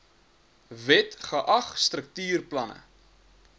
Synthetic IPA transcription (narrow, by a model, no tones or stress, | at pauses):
vɛtχəʔɐχst̪rək̚tyːrplɐnə̰